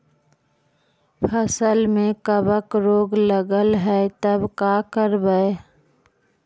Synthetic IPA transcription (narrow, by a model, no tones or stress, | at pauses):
pʰəsəlmẽkəbəkɾoːɡləɡəlɦɛet̪əbkakəɾbəe